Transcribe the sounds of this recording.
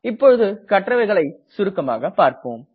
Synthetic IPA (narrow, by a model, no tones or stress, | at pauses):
ɪpːɔɻɯðɯkɐʈːrɐʋɐɪɣɐɭɐɪsʊɾɯkːɐma̰ːɣɐpːaːɾpoːm